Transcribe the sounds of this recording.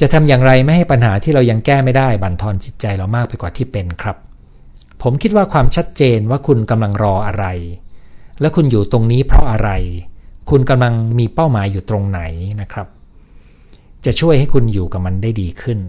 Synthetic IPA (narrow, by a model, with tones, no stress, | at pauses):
t͡ɕa˨˩t̪ʰa˧mjaː˨˩ŋɾa˧jma˥˩jha˥˩jpa˧nɦaː˩˦t̪ʰiː˥˩ɾa˧wja˧ŋkɛː˥˩ma˥˩jdaː˥˩jba˨˩nt̪ʰɔː˧nt͡ɕi˨˩t̪̚t͡ɕa˧jlɔ˨˩wmaː˥˩k̚pa˧jkwaː˨˩t̪ʰiː˥˩pe˧nkʰɾa˦˥pʰː | o˩˦mkʰi˦˥t̪̚waː˥˩kʰwaː˧mt͡ɕʰa˦˥t̪̚t͡ɕeː˧nwaː˥˩kʰu˧nka˧mla˧ŋɾɔː˧ʔa˧ɾa˧j | lɛ˦˥wkʰu˧njuː˨˩t̪o˧ŋniː˦˥pʰɾɔ˦˥ʔa˧ɾa˧jkʰu˧nka˧mla˧ŋmiː˧pa˥˩wmaː˩˦jːuː˨˩t̪ɾo˧ŋna˩˦jna˦˥kʰɾa˦˥p̚ | t͡ɕa˨˩t͡ɕʰu˥˩əjha˥˩jkʰu˧njuː˨˩ka˨˩p̚ma˧ndaː˥˩jdiː˧kʰɯ˥˩n